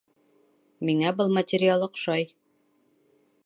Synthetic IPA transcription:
miŋæbɤlˠmɐtʲɪɾʲɪalˠɤqʃɑj

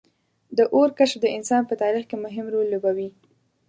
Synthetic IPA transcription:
d̪əʔoɾkaʃfd̪əɪnsɑnpət̪ɑɾixkemʊɦɪmɾolːobawi

